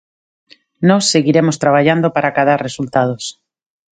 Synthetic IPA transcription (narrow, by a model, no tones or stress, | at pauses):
nɔsːeɣiɾemost̪ɾaβ̞aʎand̪opaɾʔakaðaɾresult̪að̞os